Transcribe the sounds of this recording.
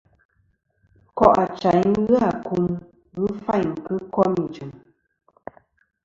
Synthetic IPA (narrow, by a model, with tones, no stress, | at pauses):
kɔ˦ʔa˨t͡ʃa˨jɣɨ˦a˨ku˦m | ɣɨ˦fa˦˨jŋ̩˨kɨ˦kɔ˦mi˨d͡ʒɨ˨m